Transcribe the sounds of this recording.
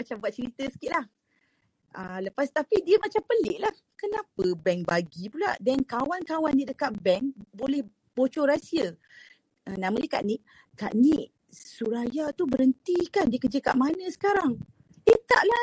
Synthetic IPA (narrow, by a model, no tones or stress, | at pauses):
at͡ʃambaʔ̪̚t͡ʃəɾit̪əsə̥kiʔlah | ələpast̪apidiəmat͡ʃampəlɪʔlah | kənapəbɛŋbaɡipula̰ʔdɛnkawankawanːiʔdəkaʔbɛŋbolɛh | b̥ot͡ʃɔɾasiə | ənãmadiəkaʔniʔ | ka̰ʔniʔ | suɾajat̪ubəɾənt̪ikandiəkəd͡ʒəka̰ʔmanə̃sə̥kaɾaŋ | it̪aʔla